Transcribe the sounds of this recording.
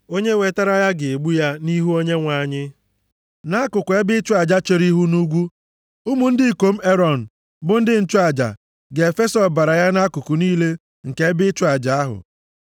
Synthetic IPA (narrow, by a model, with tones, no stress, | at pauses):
o˦ɲe˦we˨ta˦ɾa˦ja˦ɡɪ˨e˨ɡ͡bu˦ja˦ni˦ɦu˦o˦ɲe˦ŋʷa˨ɲɪ˦ | na˦kʊ˨kʊ˨e˦bɪ˦t͡ʃʊ˦a˨d͡ʒa˦t͡ʃe˨ɾi˦ɦu˦nu˦ɡʷu˦ | ʊ˦mu˨n̩˦dɪ˦i˨ko˨m̩˦e˦ɾɔ˨n̩˨ | bʊ˦n̩˦dɪ˦n̩˦t͡ʃʊ˦a˨d͡ʒa̰˨ | ɡe˨fe˦sɔ˨ba˨ɾa˨ja˦na˦kʊ˨kʊ˨niː˦le˦ | ŋ̩˨ke˨˦e˦bɪ˦t͡ʃʊ˦a˨d͡ʒa˨a˦ɦʊ̰˨